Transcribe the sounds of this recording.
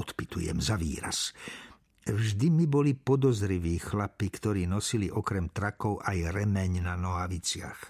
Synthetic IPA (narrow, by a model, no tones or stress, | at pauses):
ɔt̪pit̪ujɛ̰mzaʋḭːɾa̰s | vʒd̪imibɔlipɔd̪ɔzɾiʋiːxlapikt̪ɔɾiːnɔsiliʔɔkɾɛmt̪ɾakɔʊʔajɾɛmɛɲnanɔɦaʋit͡sɪa̰x